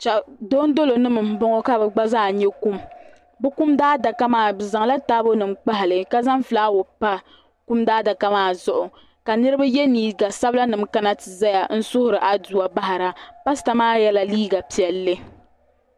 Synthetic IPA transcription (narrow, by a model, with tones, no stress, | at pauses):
t͡ʃa˨do˦n˦do˦lo˨nɨ˦mɨ˨m̩˦bɔ˦ŋɔ˦ka˦bɛ˨ɡ͡ba˦zaː˦˨ɲɛ˦ku˦m | bɨ˦ku˦mdaː˦da˨ka˦maː˨bza˨ŋ˦la˦taː˦bo˦nɨ˨mk͡pa˦ɦɪ˨lɨ˨ka˦za˦mfɨ˨laː˦wo˨pa˦ | ku˦mdaː˦da˨ka˦maː˦˨zʊ˦ʔʊ˨ | ka˨nɨ˦ɾɨ˦ba˦jɛ˦niː˨ɡa˨sa˦bla˦nɨ˨mka˦na˦tɨ˨za˦ja˨n̩˦sʊ˦hʊ˦ɾɨ˨ʔa˨du˨a˦˨ba˦ɦa˨ɾa˨pa˦sɨ̥˨ta˦maː˦jɛ˦la˨liː˦ɡa˨pi˨ɛ˨lːɨ˦